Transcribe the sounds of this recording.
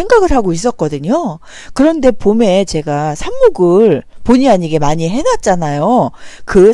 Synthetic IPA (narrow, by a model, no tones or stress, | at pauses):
eŋɡaɡɯɭɦaɡois̬͈ʌt̚k͈ʌdɯɲo | kɯɾʌnde̞pome̞t͡ɕe̞ɡasʰamːuɡɯɭpoɲiaɲiɡe̞maɲiɦe̞nat̚t͡ɕ͈anajokɯ